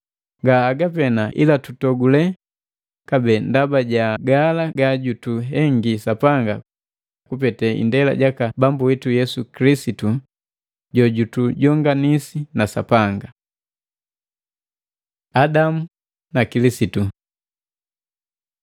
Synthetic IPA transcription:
ŋɡaːɡapɛnaʔḭlatutɔɡulɛ | kabɛndabaɟaɡalaɡaɟutuɦɛŋɡisapaŋɡa̰ | kup̬ɛtɛḭndɛla̰ɟakabambuwitujɛsukilisitu | ɟɔɟutuɟɔŋɡanisinasa̰paŋɡa | adamu | nakilisitu

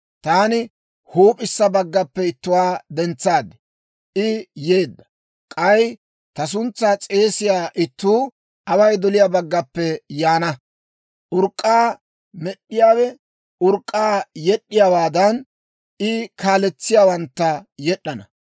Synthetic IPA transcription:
t̪aːnɪ | huːpʼɪsːɐbɐɡːɐpːɛɪt̪ːʊwaːd̪ɛnt͡sːaːd̪ɛ̥ | ʔɪje̞ːd̪ːɐ̥ | kʼɐj | t̪ɐs̬ʊnt͡sːat͡sʼe̞ːsɪjaːʔɪt̪ːuː | ʔɐwɐjd̪ɔlɪjaːbɐɡːɐpːɛjaːnɐ | ʔʊɾkʼːaː | mɛɗːɪjaːwɛ | ʔʊɾkʼːaːjɛɗːɪjaːwaːd̪ɐn | ɪkaːlɛt͡sːɪjaːwɐnt̪ːɐjɛɗːɐnɐ̰

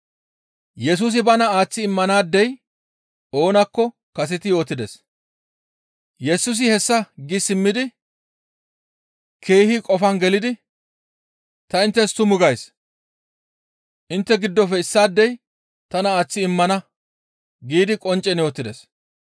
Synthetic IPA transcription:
jɛs̬uːs̬ɪbɐnɐaːt͡sːɪɪmːɐnaːd̪ːɛj | o̞ːnɐkːɔ | kɐsɛt̪ɪjo̞ːt̪ːɪd̪ɛs | jɛsʊs̬ɪhɛsːɐɡɪsɪmːɪd̪ɪ | kʰe̞ːhikʼɔfɐnɡɛlɪd̪ɪ | t̪ɐɪnt̪ːɛst̪ʊmʊɡɐjs | ʔɪnt̪ːɛɡɪd̪ːɔfɛɪsːaːd̪ːɛj | t̪ɐnɐaːt͡sːɪɪmːɐnɐ | ɡiːd̪ɪkʼɔnt͡ʃʼːɛnjo̞ːt̪ːɪd̪ɛs

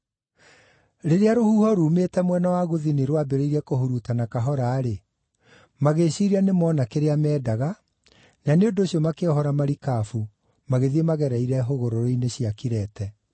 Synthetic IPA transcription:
ɾeɾeaɾohuːhɔɾuːmetɛmwɛnawaɣoðiniɾwabeɾeiɾiɛkohuɾutanakaɦɔɾaːɾe | maɣeɕiɾianemɔːnakeɾeamɛːdaɣa | naneondoːɕiɔmakeɔɦɔɾamaɾikaːfu | maɣeðiemaɣɛɾaiɾɛɦoɣoɾoɾoineɕijakiɾɛtɛ

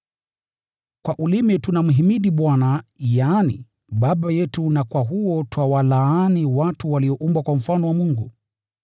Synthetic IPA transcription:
kwaʔulimɛtunam̩ɦimiɗiɓwanajaːnḭ | ɓaɓajɛtunakwaɦuɔtwawalaaːniwatuwaliɔʔumbwakwam̩fanɔwamuŋɡu

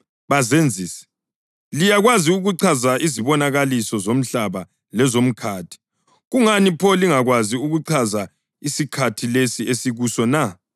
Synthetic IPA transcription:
βazend͡zʱiːsɛ̥ | lijaɣwaziuɣuǀʰazaʔiziβɔnaɣalisɔzom̩ɬaβa | lɛzom̩kʰaːtʰi̥ | ɣuŋanipʰɔliŋaɣwaziuɣuǀʰaza | isikʰatʰilesiesiɣusɔna

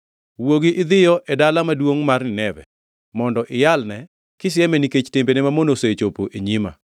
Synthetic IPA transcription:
woɡɪʔɪd̪ɪjɔʔɛdalamadwoŋmarnɪnɛbɛ̰ | mɔndɔʔɪjalnɛ | kɪs̬ɪjɛmɛniket͡ʃtembenemamonosoet͡ʃopoʔeɲima̰

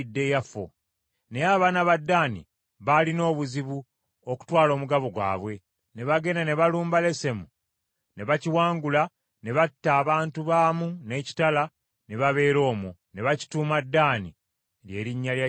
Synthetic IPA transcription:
dːe̞jafo̰ | ne̞aːβaːnaβadːaːnḭ | βalino̞ːβuziβu | o̞ku̥twaːlo̞ːmuɡaβoɡwa̰ːβwe̞ | ne̞βaɡe̞nane̞βaluːmbale̞se̞mu | ne̞βaciwaːŋɡula | ne̞βatːaːβaːntuβaːmune̞ci̥tala | ne̞βaβe̞ːɾo̞ːmone̞βaci̥tuːmadːaːnḭ | lje̞̰ːɾiɲːalja

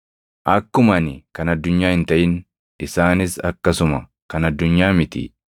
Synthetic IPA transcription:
ʔɐkːʊmɐnɪkɐnɐd̪ːʊɲːaːhɪnt̪ɐʔɪn | ɪsaːnɪsɐkːɐsʊmɐ | kɐnɐd̪ːʊɲːaːmɪt̪ɪ̰

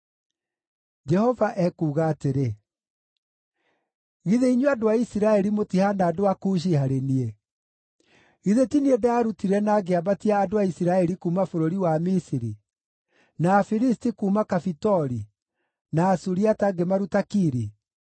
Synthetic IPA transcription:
d͡ʒɛhɔvaʔɛkuːɣaːteɾe | ɣiðeiɲuadoaisiɾaɛɾimotihanaːdoakuːʃ̬ihaɾenie | ɣiðetiniedaaɾutiɾɛnaːɡeabatiaːdoaisiɾaɛɾikuːmafoɾoɾiwamisiɾi | naːfiɾistikuːmakafitɔɾi | naːsuɾiataɡemaɾutakiɾi

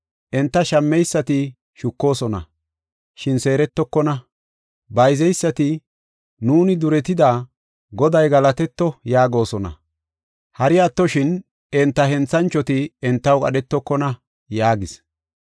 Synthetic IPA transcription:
ʔɛnt̪ːɐʃɐmːɛjsːɐt̪ɪ | ʃʊkːo̞ːsɔnɐ̰ | ʃɪnse̞ːɾɛt̪ːɔkːɔnɐ | bɐjzɛjsːɐt̪ɪ | nuːnɪd̪ʊɾɛt̪ɪd̪aː | ɡɔd̪ɐjɡɐlɐt̪ɛt̪ːɔjaːɡo̞ːsɔnɐ̰ | hɐɾɪat̪ːɔʃɪn | ɛnt̪ːɐɦɛnt͡sːɐnt͡ʃːɔt̪ɪɛnt̪ːɐwkʼɐ̰ɗɛt̪ːɔkːɔnɐ | jaːɡɪs

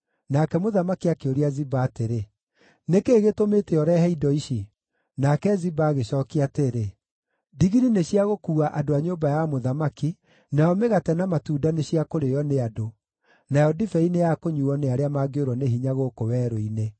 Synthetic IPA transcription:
nakɛmoðamakiakeoɾiazibaːteɾe | nekeːɣetomeːtɛjɔɾɛɦɛidɔiɕi | nakɛzibaːɣeɕɔːkiateɾe | diɣiɾineɕiaɣokuːaʔadoaɲoːbajamoðamaki | najɔmeɣatɛnamatuːdaneɕiakoɾejɔneado | najɔdifɛinejakoɲuɔneaɾeamaɡeoɾwɔneɦiɲaɣokowɛːɾoine

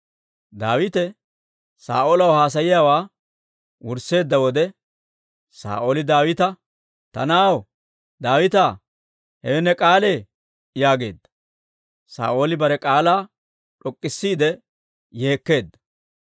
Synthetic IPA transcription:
d̪aːwɪt̪ɛ | sa̰ːʔoːlɐwhaːs̬ɐjɪjaːwaː | wʊɾse̞ːd̪ːɐwɔd̪ɛ | sa̰ːʔoːlɪd̪aːwɪt̪ɐ | t̪ɐ̰naːw | d̪aːwɪt̪aː | hɛwɛnːɛkʼaːle̞ː | jaːɡe̞̰ːd̪ːɐ̥ | sa̰ːʔo̞ːlɪbɐɾɛkʼaːlaː | ᶑɔkʼːɪsːiːd̪ɛ | je̞ːkːe̞ːd̪ːɐ̥

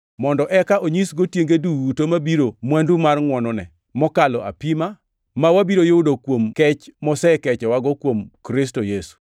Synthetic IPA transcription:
mɔndɔʔɛkaʔoɲisɡotjeŋɡeduwutomabiɾomwandumarŋwɔnɔnɛ̰ | mɔkalɔʔa̰pima | mawabiɾojodokwomkɛt͡ʃmɔsɛkɛt͡ʃɔwaɡɔkwomkɾɪs̬tojesu̥

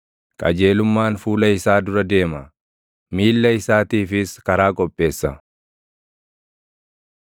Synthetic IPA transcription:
kʼɐ̰d͡ʒe̞ːlʊmːaːnfuːlɐɪsaːd̪ʊɾɐd̪e̞ːmɐ | miːlːɐɪsaːt̪iːfɪskɐɾaːkʼɔpʼːe̞ːsːɐ

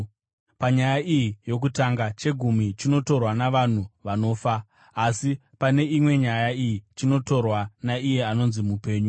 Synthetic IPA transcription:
paɲajaijijo̞k̬utaŋɡat͡ʃe̞ɡʱumit͡ʃino̞to̞rwanaʋan̤uʋano̞ːfaː | si | pane̞imwe̞ɲajaijit͡ʃino̞to̞rwanaije̞ano̞nzimupe̞ːɲu

